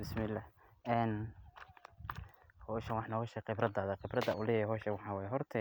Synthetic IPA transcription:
bɪsmɪlːaːh | ɛːn | hɔːʃɐnwɑħnɔɣɔʃɛqɪbɾɐd̪aːðɐqɪbɾɐd̪ɐʔʊlɛjɛjɛɦɔːʃɐnwɑħɑːwɛːjɛɦɔrt̪ʰɛ

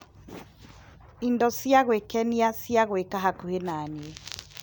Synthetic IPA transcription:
indɔsjaɣwekɛniasjaɣwekaɦakuhenanie

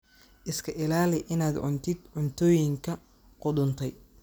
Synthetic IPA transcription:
ʔɪskʰɐʔɪlaːlɪʔɪnaːd̪ʕʊ̰nt̪ʰɪd̪ʕʊnt̪ʰɔːjɪŋkʰɐ | qʊd̪ʊnt̪ʰɛj

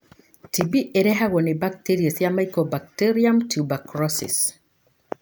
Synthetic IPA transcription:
tibiʔeɾɛɦaɣɔnebak̚tiɾiasjamajkɔbak̚teɾiamtʰubakɾɔsḭs

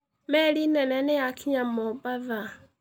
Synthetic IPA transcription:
mɛlinɛnɛnɛjakʰiɲamɔbaða

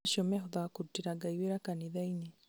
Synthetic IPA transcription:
ʃɔmɛɦɔðakuɾutiɾaɡaiweɾakaniðaine

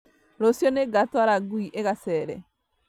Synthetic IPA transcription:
ɾɔsjɔneɡatwaɾaɡwiʔeɣasɛɾɛ̰

